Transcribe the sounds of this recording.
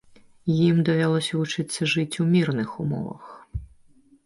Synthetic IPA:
jimd̪ɔʋʲɐlˠɔsʲɐʋʊt͡ʃɪt̪sʲːɐʐɪtʲumʲirnɪxʊmɔ̰ʋɐ̰x

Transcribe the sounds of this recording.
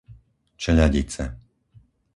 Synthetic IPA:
t͡ʃɛʎaɟit͡sɛ̰

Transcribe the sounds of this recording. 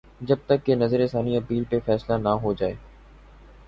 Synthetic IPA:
d͡ʒɐb̚t̪əkːenɐzəɾesaːniɐpiːlpefɛːslanaɦod͡ʒaːeː

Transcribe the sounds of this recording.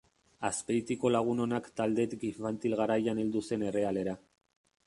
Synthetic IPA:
aspeit̪iko̞laɣ̞uno̞nakt̪ald̪e̞t̪ɡifant̪ilɣaɾajaneld̪use̞ne̞re̞ale̞ɾa

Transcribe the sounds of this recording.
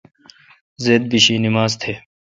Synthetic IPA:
zeːd̪̚biɕiːnɪmaːzt̪ʰeː

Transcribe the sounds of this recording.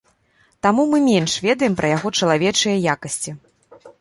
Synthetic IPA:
t̪amumɨmʲɛnʂvʲɛd̪ɐjɛmpɾʔɐjaɣɔt͡ʂɐlˠavʲɛt͡ʂɨjɐjakɐsʲt͡sʲi

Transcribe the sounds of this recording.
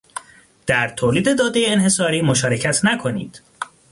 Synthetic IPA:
d̪̥æɾt̪ʰoːliːd̪e̞d̪ɒːd̪ejeːnhe̞sɒːɾiːmo̞ʃɒːɾecʰæt̪ʰnækʰo̞niːd̪̥

